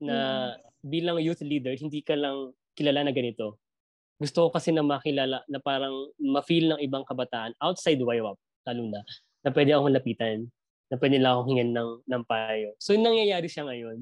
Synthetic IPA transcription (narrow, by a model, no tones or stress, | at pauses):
nɐ | biːlɐŋjut̪liːd̪ɛɹhɪnd̪iːkɐlɐŋ | kɪlaːlanɐɡɐnɪt̪o̞ | ɡʊst̪okokɐsɛnɐmɐkɪlalanɐpaːɾɐŋmɐfilnɐŋɪbaŋkɐbɐt̪aːʔɐnʔawt̪̚sajd̪wajʔɐp̚t̪aluːnɐ | nɐpwɛd̪ɛʔɐkoŋlɐpiːt̪ɐnː | ɐp̬wɛːd̪ɪlaŋʔɐkoŋhɪŋɐnːɐŋnɐŋpajosojʊŋnɐŋjɐjaːɾɪʃaŋɐjo̞n